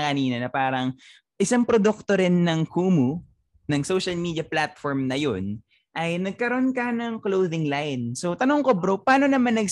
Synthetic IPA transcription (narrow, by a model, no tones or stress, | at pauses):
kɐniːnɐnɐpaːɾɐŋ | ʔɪsaŋpɾod̪uk̚t̪o̞ɾɪnːɐŋkuːmu | nɐŋsowʃɐlmiːd̪jɐplat̪̚foɹmnɐjon | ʔɐjnɐɡ̚kɐɾoʔonkɐnɐŋklowðɪŋlajnsot̪ɐnoŋkobɾopaːno̞nɐmanːɐɡ